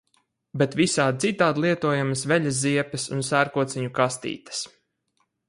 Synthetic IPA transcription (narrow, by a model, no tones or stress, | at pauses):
bet̪visaːd̪̚t̪sit̪aːd̪lˠiɛt̪uɔjamasvɛʎʲaz̬ziɛpɛsṵnsæɾkuɔt̪sɛɲukast̪ḭːt̪ɐ̥s